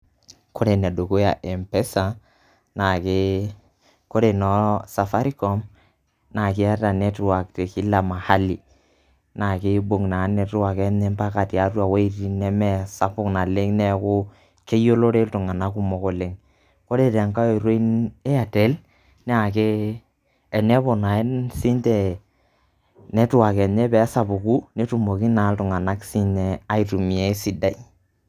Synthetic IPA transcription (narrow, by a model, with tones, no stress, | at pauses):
ko˦ɾe˨n˨a˨do˨ko˦ja˨ʔɛ˨mpɛ˦sa˨ | na˨ke˦ | ko˦ɾe˨nɔ˦sa˨fa˦ɾi˦kɔ˨m | na˨kɪ˦a˦ta˨nɛ˦tʊ˦wa˨k̚te˨ki˦la˨ma˨ha˦li˨ | na˨kɪ˦bo˨ŋna˨˦nɛ˨twa˨kɛ˦mɛ˦mpa˦ka˨ti˨a˦twa˨we˦i˦ti˦nɛ˦mɛ˦˨sa˦pʊ˦kna˨le˦ŋnɛ˨˦kʊ˦ | t͡ʃe˦jo˦lo˦ɾe˦ltʊ˨ŋa˨na˦ku˦mɔ˨ko˨le˦ŋ | ko˦ɾe˨ɾɛ˨ŋka˦o˨ɾo˦i˦ne˦a˨tɛ˨˦l | nɛ˦a˨keː˦˨ | nɛ˦bɔ˨na˨e˦nsi˦ntɛ˨ | nɛ˦tʊ˦a˨kɛ˨nɛ˦pɛ˨˦sa˨pʊ˨ku˦ne˦tu˨mo˨ki˦na˨˦ltʊ˨ŋa˨na˦ksi˦nɛ˨a˦i˨tu˨mi˨e˦si˨da˨i˦